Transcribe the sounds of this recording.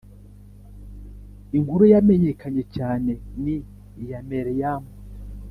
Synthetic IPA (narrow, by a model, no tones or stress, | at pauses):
iŋɡuɾujameɲekaɲe̞caːne̞ni | jameɾijamo